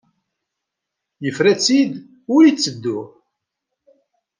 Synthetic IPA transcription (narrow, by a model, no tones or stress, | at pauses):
jəfɾæt͡sːid̪ | ʊɾit͡sːəd̪ːʊ